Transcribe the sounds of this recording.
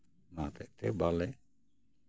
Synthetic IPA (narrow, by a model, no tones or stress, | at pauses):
nat̪ɛʔt̪ɛbalɛ